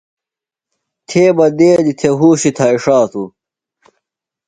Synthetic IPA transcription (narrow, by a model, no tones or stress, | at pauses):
t̪ʰeːbɐd̪eːd̪it̪ʰeɦuːɕit̪ʰaːiʂaːt̪ʰu